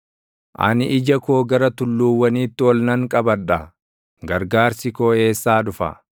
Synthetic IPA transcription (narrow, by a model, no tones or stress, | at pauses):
ʔɐ̰nɪʔɪd͡ʒɐkoːɡɐɾɐt̪ʊlːuːwːɐniːt̪ːɪwɔlnɐŋkʼɐbɐᶑɐ | ɡɐɾɡaːɾsɪkoːe̞ːsːaːdʊfɐ̰